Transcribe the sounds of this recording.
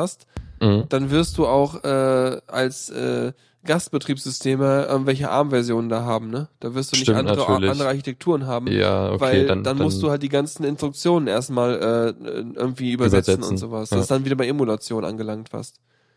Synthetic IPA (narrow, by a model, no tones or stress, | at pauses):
ast̩d̥anvɪɐst̚d̥uːaʊxʔɛːʔalsʔɛ̰ː | ɡ̥astb̥ətʁ̥iːpsz̥ʏstʰeːməʔɪ̰ɐɡŋ̩tv̥ɛlçəʔa̰ɐmvɛɐzjoːnəndaːɦaːbm̩nəd̥aːvɪɐstd̥uːnɪçʔandəʁəlandəʁəaɐçitʰɛk̚tʰuːʁənɦaːbm̩ja̰o̰vaaɪld̥anmʊst̚d̥uːhalt̚d̥iːɡant͡sn̩ɪnstʁ̥ʊk̚t͡sjoːnənʔeːɐstmaːlʔɛːɛ̰ʔɪ̰ɐɡŋ̩tv̥iːyːbɐzɛt͡sn̩ʊ̰nz̥oːvasd̥asd̥anviːdɐbaɪemulat͡sjoːnʔa̰nɡəlaŋktv̥ɪ̰ɐst